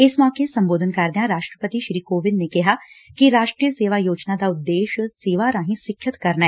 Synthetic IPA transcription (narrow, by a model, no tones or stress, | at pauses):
ɪsmɔːkesɐ̃mboːd̪ʱənkɐɾd̪ejãɾaːʃʈɾəpət̪iʃɾiːkoːʋɪnnekɪɦakiɾaːʃʈɾijəseːʋaːjoːd͡ʒnad̪aʊt̪ːeːʃseːʋaɾaːɦĩsɪkʰjət̪kɐɾnaɛː